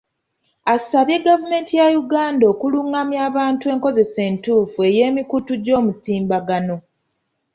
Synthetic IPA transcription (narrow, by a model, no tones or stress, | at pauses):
asaβje̞ɡavume̞ːntijajuɡaːndo̞ːkuluŋɡamjaːβaːntue̞ːŋko̞ze̞se̞ːntuːfue̞je̞ːmikutuɟo̞ːmutiːmbaɡano̞